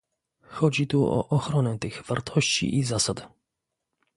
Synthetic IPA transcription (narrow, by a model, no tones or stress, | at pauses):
xɔd͡ʑit̪uɔ̰ʔɔxɾɔnɛt̪ɘɣv̥aɾt̪ʰɔɕt͡ɕḭʔizasad̪